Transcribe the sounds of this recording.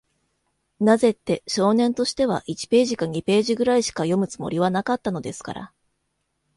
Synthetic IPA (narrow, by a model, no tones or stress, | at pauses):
naze̞t̪ːe̞ɕo̞ːnẽ̞nt̪o̞ɕi̥t̪e̞βa̰ʔit͡ɕi̥pe̞ːʑikaɲ̟ipe̞ːʑiɡɯ̟ɾaiɕi̥kajo̞mɯ̟t͡sɨ̥mo̞̰ɾʲiβ̞anakat̪ːano̞d̪e̞sɨ̥ka̰ɾa̰